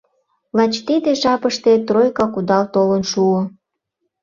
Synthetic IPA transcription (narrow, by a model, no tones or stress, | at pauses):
lɑt͡ɕt̪id̪eʒɑpəʃt̪et̪rojkɑkud̪ɑlt̪olənʃuo